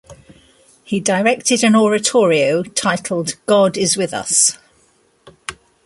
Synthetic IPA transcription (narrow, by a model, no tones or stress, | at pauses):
hidəɹɛk̚tɪdə̃nɔɹətʰɔːɹiəʊtʰaɪtʰˡl̩ˠdɡ̥ɒdɪzwɪðʌ̰s